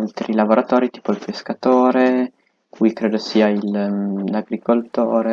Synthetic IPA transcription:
lt̪ɾilavoɾʔat̪ɔːɾit̪iːpoilpeskat̪oːɾe | kʰujkɾeːd̪osiːailːaɡɾikolt̪oːɾe

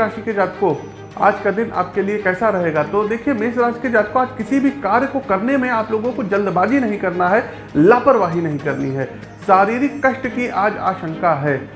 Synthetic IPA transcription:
aːʃiked͡ʒaːt̪ko | a̰ːd͡ʒkad̪ɪna̰ːp̚keliekɛːsaɾɐɦeːɡat̪od̪eːkʰiemeːsɾaːʃiked͡ʒaːt̪̚koaːd͡ʒkɪsibʱikaːɾjkokɐɾnemẽaːploːɡõkod͡ʒɐld̪baːd͡ʒinɐɦĩkɐɾnaɦɛ | laːpəɾʋaːɦinɐɦĩkɐɾniɦɛː | saːɾiːɾɪkkɐʃʈkiʔaːd͡ʒa̰ːʃə̃ŋkaɦɛː

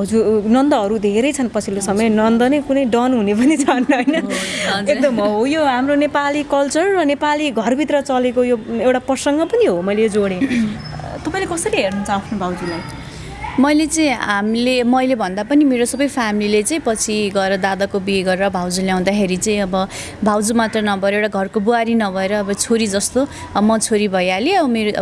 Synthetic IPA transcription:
ɦʌd͡zunʌnd̪ʌɦʌɾud̪ʱeɾʌjt͡sʰʌnpʌt͡sʰilosʌmʌjnʌnd̪ʌnʌjkunʌjɖʌnɦunep̬ʌnit͡sʰʌnːʌʌjnʌʌd͡zekd̪ʌmʌɦojoɦamronepalikʌlt͡sʌrːʌnepaliɡʱʌrbʱit̪rʌt͡sʌlekojoewʈaprʌsʌŋɡʌpʌniɦomʌjlejod͡zoɽẽ | t̪ʌpaĩlekʌsʌɾiɦernut͡sʰʌapʰnobʱawd͡zulaj | mʌjlet͡sʌĩɦamlemʌjlebʱʌnd̪apʌnimeɾosʌbʌjpʰamililet͡saĩpʌt͡sʰiɡʌeɾʌd̪ad̪akobieɡʌɾeɾʌbʱawd͡zuljaw̃d̪akʰeɾit͡saĩʌbʌ | bʱawd͡zumat̪rʌnʌbʱʌɾoewʈaɡʱʌrkobuaɾinʌbʱʌeɾʌːbʌt͡sʰoɾid͡zʌst̪o | ʌmʌt͡sʰoɾibʱʌjaleʌbʌmeɾo

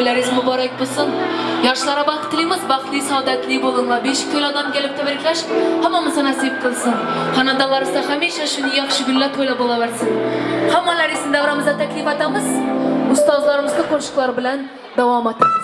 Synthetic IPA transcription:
læɾizmʊbɑɾɑk̚bolˠsɨnjɑɾʃɨlˠɑɾɑbɑqə̥t̪ɨlˠijmɨzbɑχlˠijsɑd̪æt̪lˠiboʁˠənlˠɑbeʃkʲʰølɑd̪ɑmkʲʰelɪp̚t̪ʰæbɪɾkʲlæʃhæmːɑmɨzɑnæsijɨp̚qʰəlˠsɨnχɑnɑd̪ɑlˠɑɾɨsɑhæmiʃɛʃunijɑχʃɪɡʲylːæt̪ʰojlˠɑbolˠɑbɪɾsɪnhɑmːɑlæɾisɪnd̪æwɾɑmɨzd̪ɑt̪ʰækʲlifɑt̪ɑmɨzʊst̪ɑzlˠɑɾɨmɨzd̪ɨqʰoɾʃə̥qlˠɑɾbɪlæn | d̪ɑwɑmɑt̪ɑm

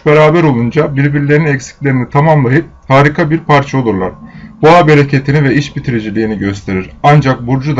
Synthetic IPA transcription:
beɾaːbɛɾo̞lˠund͡ʒabiɾbiɾlʲe̞ɾinɛcsi̥clʲe̞ɾinit̪ʰamamlˠajɯp̚haːɾikʰabiɾpʰaɾt͡ʃʰao̞lˠuɾlˠa̰ɾ̥buabeɾecʰet̪ʰinivɛiʃbit̪ʰiɾid͡ʒilʲiːniɟøst̪ʰe̞ɾiɾand͡ʒak̚buɾd͡ʒud̪

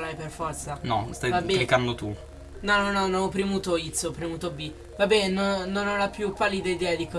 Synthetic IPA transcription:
lajperfɔrt̪sanɔst̪ajvabɛklikand̪ot̪u | nɔnɔnɔnɔpɾimut̪oit̪sopɾimut̪obi | vabɛnononalapjupːalːid̪aid̪ɛad̪ikɔ

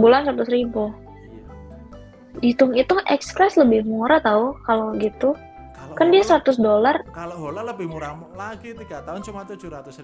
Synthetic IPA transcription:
bulansɾat̪ʊsɾibu | dit̪ʊŋit̪uʔɛkskɾɛsləbɪhmuɾat̪aukaloɡit̪u | kandiasəɾat̪ʊsdolar

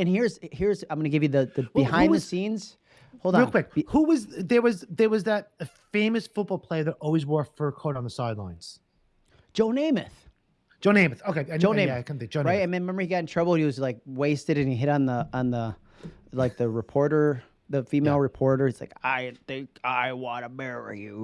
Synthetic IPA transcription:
ɨ̃nhiɹz̥hiɹzãɪmɡʌnɨɡɪvjɨðɨðɨɨhãɪnðɨsĩnz̥ | olˠdɹilˠkwɪk̚huwʌzðə˞wʌzðə˞wʌzðət̚ɨfẽɪ̃mɨsfʊt̚b̥ɔlˠpʰl̥eɪə˞ðəɾɔlˠwizwɜ˞ftfə˞kʰoʊɾn̩ðəsaɪdˡlã̰ɪ̃nz̥ | d̥ʒ̥oʊnẽɪmɨθ | d̥ʒõʊnẽɪ̃mɨθoʊkʰeɪad͡ʒoʊnẽɪ̃kʰɛ̃nid͡ʒoɹaɪt̚ɨ̃mɨ̃nɹmɛ̃mbə˞hiɡɑɾɪ̃ŋtʰɹ̥ʌbl̩̚ˠhiwʌzlaɪk̚weɪstɨɾɨ̃niɦɪɾn̩ðə̃n̩ðə | laɪk̚ðɨɹɨpʰɔɹɾə˞ | ðɨfimeɪlˠɹɨpʰɔɹɾə˞hiz̥laɪkaɪθɪ̃ŋkaɪwɑ̃ɾəbɛɹə̰˞jʉ

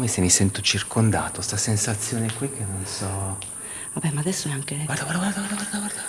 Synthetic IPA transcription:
mesemːisɛnt̪ot͡ʃirkond̪a̰ːt̪ost̪asensat̪sːjoːnekwik̟ːenːonsɔ | vabɛmːaːd̪ɛsːonɛeaŋkeaaaɾɡaɾd̪aɡaɾd̪aɡwaɾd̪aɡwaɾd̪a

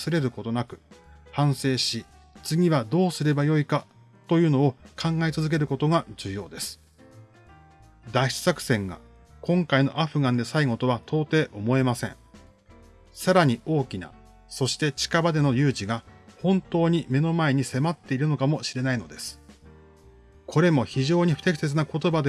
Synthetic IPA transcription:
sɨɾe̞ɾɯ̟ko̞t̪o̞nakɯ̟̥hãɰ̃se̞ːɕi | t͡sɨɡʲiβ̞ad̪o̞ːsɨɾe̞bajo̞ika | t̪o̞jɯ̟ːno̞okʰãŋɡaet͡sɨzɨk̬e̞ɾɯ̟ko̞t̪o̞ɡaʑɨːjo̞̰ːd̪e̞sɨ̥ | d̪aiɕi̥sakɯ̥sẽ̞ŋɡa̰ | kõ̞ŋkaino̞̰ʔaɸɯ̟ɡãnd̪e̞saiŋo̞t̪o̞β̞at̪ʰo̞ːt̪e̞ːʔo̞mo̞e̞masẽ̞̰ɴ̃ | saɾaɲ̟io̞ːkʲina̰ | so̞ɕi̥t̪e̞t͡ɕi̥kabad̪e̞no̞jɯːʑiɡahõ̞nt̪o̞ːɲ̟ime̞no̞mae̞ɲ̟ise̞mat̪ːe̞iɾɯ̟no̞kamo̞ɕiɾe̞naino̞̰d̪e̞sɨ̥ | kʰo̞ɾe̞mo̞çiʑo̞ːɲ̟iɸɯ̟̥t̪e̞kʲi̥se̞t͡sɨnako̞t̪o̞bad̪e

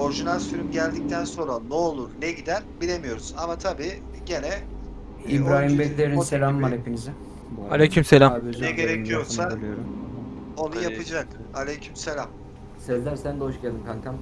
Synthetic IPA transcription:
o̞ɾʒinalʲsyɾymɟælʲd̪ic̚t̪ʰænso̞nɾanuolˠuɾnɛɟid̪ænbilʲe̞mijo̞ɾuz̥amat̪ʰabiː | ɟe̞nɛ | ibɾaːɦimbɛt̪lʲeɾinselʲaːmaɾhepinizɪ | alʲecʰymselʲabøznɛɡeɾeijoɾsalˠijoɾum | o̞nujapʰɯd͡ʒak | alʲecʰimselʲam | sɛzlʲæɾsænd̪ɛoʃɟælʲd̪imkʰankʰam

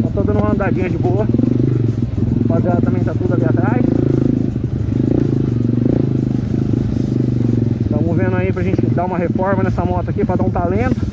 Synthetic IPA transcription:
t̪at̪od̪ɐ̃nũmɐɐ̃nd̪ad͡ʒĩɲɐd͡ʒɪboɐ | paziad̪ɐt̪ɐ̃mẽj̃t̪at̪ud̪ʊaliat̪ɾajs | t̪ɐ̃w̃movẽnd̪ʊaipɾɐʒẽnt͡ʃɪd̪aũmɐɦefɔɾmɐnɛsɐmɔt̪ʊɐkipɾɐd̪aũt̪alẽt̪ʊ̥

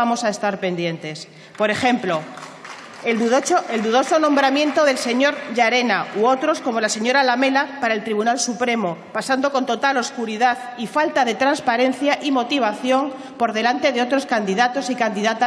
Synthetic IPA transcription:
amo̞sae̞st̪aɾpe̞nd̪je̞nt̪e̞s | po̞ɾe̞xe̞mplo | eld̪uðo̞so̞nõmbɾamje̞nt̪o̞ðe̞lse̞ɲo̞ɾʝaɾe̞nauot̪ɾo̞sko̞mo̞lase̞ɲo̞ɾalame̞lapaɾae̞lt̪ɾiβunalsupɾe̞mopasand̪o̞ko̞nt̪o̞t̪alo̞skuɾiðað | ifalt̪aðe̞t̪ɾanspaɾe̞n̟θjaʔimo̞t̪iβ̞aθjo̞ŋ | po̞ɾðe̞lant̪e̞ðe̞o̞t̪ɾo̞skand̪iðat̪o̞sikand̪iðat̪a

